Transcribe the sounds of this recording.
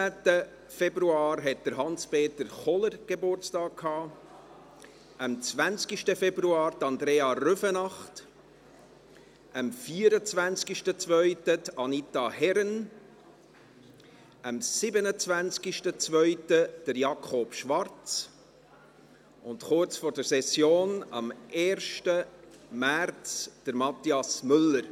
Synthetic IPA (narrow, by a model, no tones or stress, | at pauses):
æːtə | fɛbɾuɑːɾɦɛt̚d̥̪əɾɦɑnspeːt̪əɾχɔləɾɡ̥ebʊɾt͡stɑːk̚kʰhɑː | əmt͡svænt͡skiʃtəfɛbɾuɑːɾd̪ɑnd̪ɾeːɑrʏfənɑχt | əmfiːəɾət͡svænt͡skiʃtət͡svœʏtədɑnit̪ɑhɛɾən | əmsɪbənət͡svænt͡skiʃtət͡svœʏtəd̥əɾjɑkʰχɔb̥ʃvɑrt͡s | ʔʊndχʊɾt͡sfɔːɾd̥əɾsɛsjoːnɑ̰mʔeːɾʃtəmært͡sd̥əɾmɑt̪iɑsmʏlːəɾ